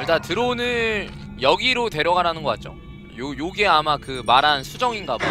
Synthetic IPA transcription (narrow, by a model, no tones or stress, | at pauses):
t͈atɯɾonɯnjʌɡiɾote̞ɾjʌɡaɾanɯnɡʌk͈a̰t̚t͡ɕ͈o̰ | jojoɡeamakɯmaɾansʰud͡ʑʌŋinɡabo